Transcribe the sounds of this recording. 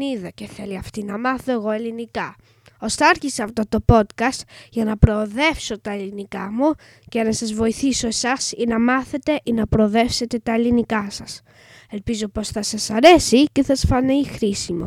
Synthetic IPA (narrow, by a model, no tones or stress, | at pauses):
iðɐce̞θe̞liɐft̪inɐmɐθo̞e̞ɣo̞e̞linikɐ | o̞st̪ɐɐɾçiseɐft̪o̞t̪o̞po̞t̪kɐst̪ʝɐnɐpɾo̞ːðe̞fso̞t̪ɐelinikɐmu | cenɐsɐzvo̞iθiso̞esɐsinɐmɐθe̞t̪e̞ʔinɐpɾoːðe̞fse̞t̪e̞t̪ɐe̞linikɐsɐs | e̞lpizo̞po̞sθɐsɐsɐɾe̞sice̞θɐsfɐneixɾisimo̰